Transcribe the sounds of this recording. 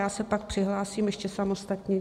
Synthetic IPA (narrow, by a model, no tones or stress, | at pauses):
jaːsɛpak̚pr̝̥ɪɦlaːsiːmjɛʃcɛsamo̞st̪at̪ɲi